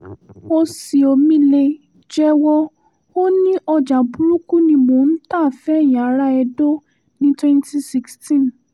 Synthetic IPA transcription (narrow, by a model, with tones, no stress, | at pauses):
o˧si˨o˨mĩ˦le˧ | d͡ʒɛ˦wɔ˧ | o˦nĩ˦ʔɔ˧d͡ʒa˨bu˦ɾu˦ku˦nĩ˧mõ˨˦n̩˦ta˦˨fɛ˦˨jã˨˦ɾa˦ɛ˧do˦ | nĩ˦twɛ̃˦nti˧si˦kstĩ˦˨n